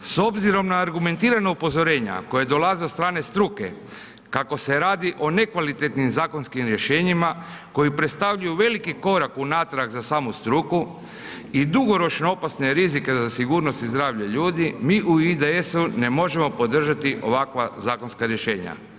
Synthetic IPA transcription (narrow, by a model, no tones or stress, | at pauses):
so̞bziɾo̞mnaːɾɡume̞nt̪iːɾanoupo̞zo̞ɾe̞ːɲa̰ko̞jed̪o̞lazeot̪st̪ɾaːne̞st̪ɾuke̞̰ | kako̞se̞ɾaːd̪iʔo̞ne̞kʋalit̪et̪nimzaːko̞nskimɾje̞ʃe̞ːɲimako̞jipɾet̪st̪aʋʎujuʋe̞likiko̞ɾakunaːt̪ɾakzasaːmust̪ɾuku | id̪uɡo̞ɾo̞t͡ʃnoo̞pasne̞ɾizike̞zasiɡuːɾno̞st̪izd̪ɾaːʋʎaʎuːd̪imiːʔuid̪eesune̞mo̞ʒe̞mo̞po̞d̪r̩ʒat̪iʔo̞̰ʋakʋazaːko̞nskaɾje̞ʃe̞ːɲa̰